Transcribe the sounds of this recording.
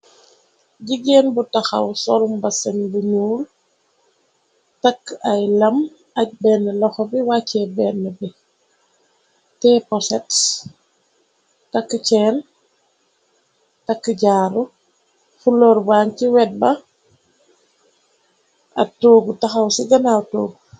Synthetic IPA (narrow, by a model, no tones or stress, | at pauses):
ɟiɡɛːnbutɐxɐ̰wsɔlumbɐsɐnbuɲuːl | tɐkːɐjlɐm | ɐc̚bɛnːəlɔxɔbiwacːɛbɛnːəbi | tɛpɔsɛt | tɐkːət͡ʃɛːn | tɐkːəɟaːɾu | fulɔɾbaːŋkiwɛt̚bɐ | ɐ̰toːɡutɐxɐwsiɡɐnawtoːɡ